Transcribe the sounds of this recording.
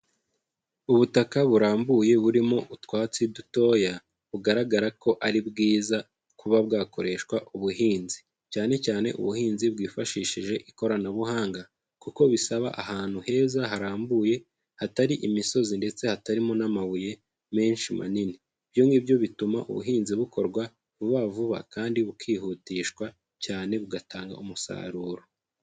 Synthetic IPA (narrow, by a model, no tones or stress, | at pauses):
uβutakaβuɾaːmbuje̞βuɾimo̞ʔutkwaːt͡siduto̞ːja | βuɡaɾaɡaɾako̞ʔaɾibɡiːza | kuβaβɡaːko̞ɾeʃkwaʔuβuɦiːnzi | caːne̞caːne̞̰ʔṵβuhiːnzibɡiːfaʃiːʃiʒe̞ʔiko̞ɾanaβuɦaːŋɡa | kuko̞βisaβa̰ʔahaːn̥huhe̞ːzaɦaɾaːmbuːje̞ | hataɾiʔimiso̞zinde̞t͡se̞hataɾimo̞namaβuje̞ | me̞ːnʃima̰nini | b̥joːŋɡibjo̞βituma̰ʔṵβṵɦiːnziβuko̞ɾɡwa | βuβavuβa̰kaːndiβukʰiːɦuːtiːʃkwa | caːne̞βuɡataːŋɡa̰umusa̰ːɾuːɾo